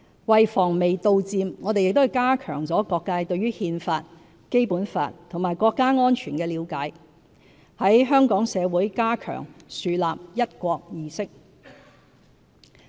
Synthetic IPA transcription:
wɐ˨jfɔː˨˩ŋme˨˩jt̪o˧wt͡siː˧mŋɔː˨˧t̪e˨jɪ˨k̚t̪o˥hɐ˨jkaː˥kʰœ̰ː˨˩ŋt͡sɔː˨˥kɔː˧kːaː˧jt̪ɵ˧ɥyː˥hiː˧nfaː˧t̚ | ke˥jpuː˨˥nfa̰ː˧t̚t̪ʰŋmaː˨˩jkʷɔː˧kːaː˥ŋɔː˥nt͡ʃʰyː˨˩nkɛː˧liː˨˧wkaː˨˥j | hɐ˨˥jɦœː˥ŋkɔː˨˥ŋsɛː˨˧wuː˨˥jkaː˥kʰœ̰ː˨˩ŋsyː˨laː˨p̚jɐ˥t̚kʷɔː˧k̚jiː˧sɪ˥k̚

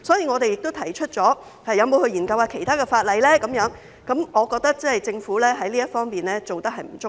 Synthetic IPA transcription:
sɔː˨˥jiː˨˧ŋɔː˨˧t̪e˨jɪ˨k̚t̪o˥t̪ʰɐ˨˩jt͡ʃʰɵ˥t̚t͡sɔː˨˥ | hɐ˨jːɐ˨˧wmo˨˧whɵ˧jiː˨˩nkɐ˧waː˧kʰe˨˩jt̪ʰaː˥kɛː˧faː˧t̚lɐ˨jlɛː˥kɐ˨˥mjœː˨˥ŋ | kɐ˨˥mŋɔː˨˧kɔː˧k̚t̪ɐ˥k̚t͡sɐ˥˨jt͡sɪ˧ŋfuː˨˥lɛː˥ɦɐ˨˥jliː˥ɐ˥t̚fɔː˥ŋpiː˨nlɛː˥t͡so˨wt̪ɐ˥k̚hɐ˨jm̩˨˩t͡sʊ˥

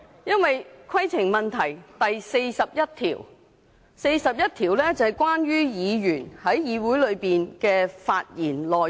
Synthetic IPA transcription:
jɐ˥nwɐ˨jkʰɐ˥jt͡sʰɪ˨˩ŋmɐ˨nt̪ʰɐ˨˩jt̪ɐ˨jse˧jsɐ˨p̚jɐ˥t̚t̪ʰiː˨˩w | se˧jsɐ˨p̚jɐ˥t̚t̪ʰiː˨˩wlɛ˥t͡sɐ˨hɐ˨jkwaː˥nɥyː˥jiː˨˧jyː˨˩nhɐ˨˥jjiː˨˧wuː˨˥jlɵ˨˧ɥpiː˨nkɛː˧fa̰ː˧t̚jiː˨˩nlɔː˨˩

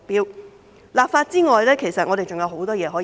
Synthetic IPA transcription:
k̚piː˥w | laː˨pfaː˧t̚t͡siː˥ŋɔː˨jlɛː˥kʰe˨˩jsɐ˨t̚ŋɔː˨˧ɾe˨jt͡ʃʊ˨ŋjɐ˨˧wɦo˨˥wt̪ɔː˥jɛː˨˧ɦɔː˨˥

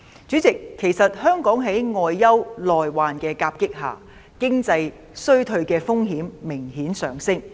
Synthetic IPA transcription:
t͡syː˨˥t͡sɪ˨kʰːe˨˩jsɐ˨t̚hœː˥ŋkɔː˨˥ŋɦe˨˥jŋɔː˧jːɐ˥wlɔː˨jwaː˨nkɛː˧kaː˧p̚kɪ˥k̚ɦa̰ː˨˩ | kɪ˥ŋt͡sɐ˧j | sɵ˥ɥt̪ʰɵ˧ɥkɛː˧fʊ˥ŋɦiː˨˥mːɪ˨˩ŋhiː˨˥nsœː˨ŋsɪ˥ŋ

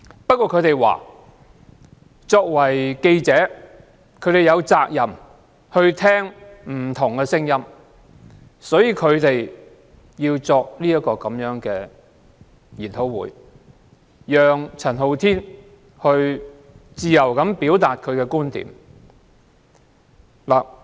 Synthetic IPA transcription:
pɐ˥t̚kʷːɔː˧kʰɵ˨˧ɥt̪e˨jwa̰ː˨˩ | t͡sɔː˧k̚wɐ˨˩jke˧jt͡sɛː˨˥ | kʰɵ˨˧ɥt̪e˨jɐ˨˧wt͡saː˧k̚jɐ˨˩m | hɵ˧ɥt̪ʰɛː˥ŋm̩˨˩t̪ʰʊ˨˩ŋkɛ˧sɪ˥ŋjɐ˥m | sɔː˨˥jiː˨˧kʰɵ˨˧ɥt̪e˨j | jiː˧wt͡sɔː˧k̚liː˥jɐ˥kɔː˧kɐ˨˥mjœː˨˥ŋkɛː˧ | jiː˨˩nt̪ʰo˨˥wwuː˨˧˥j | jœː˨˧ŋt͡sʰɐ˨˩nɦo˨˧wt̪ʰiː˥n | hɵ˧ɥ | t͡siː˨˧jɐ˨˩wkɐ˨˥mpiː˨˥wt̪aː˨t̚kʰɵ˨˧ɥkɛ˧kuː˥nt̪ḭː˨˥m | laː˨˩

